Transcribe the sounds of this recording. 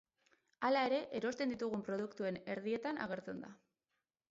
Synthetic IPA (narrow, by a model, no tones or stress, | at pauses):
alae̞ɾe̞ʔeɾo̞st̪e̞nd̪it̪uɣ̞umpɾo̞ð̞ukt̪ue̞ne̞ɾðie̞t̪ana̰ɣ̞e̞ɾt͡se̞nd̪a